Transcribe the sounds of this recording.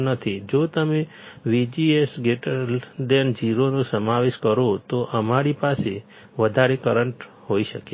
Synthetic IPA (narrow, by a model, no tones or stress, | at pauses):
nət̪ʰid͡ʒot̪əme | ʋid͡ʒiesɡeʈəld̪end͡ʒiɾonõsəmaʋeʃkəɾot̪oʔəmaɾipasḛ | ʋəd̪ʱaɾekəɾəɳʈ | ɦoiʃəke